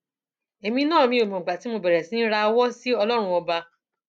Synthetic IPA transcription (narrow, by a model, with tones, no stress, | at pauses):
e˨mĩ˧nãː˦˨mĩ˧˦o˨mĩ˨ɡ͡ba˨ti˨˦mo˧bɛ˨ɾɛ˨sĩ˨˦ɾa˧wɔ˦si˦ɔ˧lɔ˦ɾ̃ũ˧ɔ˧ba˧